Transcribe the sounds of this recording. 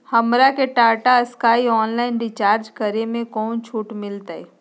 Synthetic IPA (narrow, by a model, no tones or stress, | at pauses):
hɐmɾakeʈaːʈaskaːiɔːnlaːɪnɖɪt͡ʃaːɾd͡ʒkəɾemẽkɔːnt͡ʃʰuːʈmɪlt̪aɛ